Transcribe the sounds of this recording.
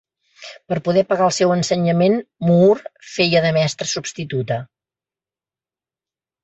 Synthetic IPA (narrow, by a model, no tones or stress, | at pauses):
pəɾpuðɛpəɣaəlˠsɛwənsəɲəmenmurfejəðəmɛst̪ɾəsubst̪it̪ut̪ə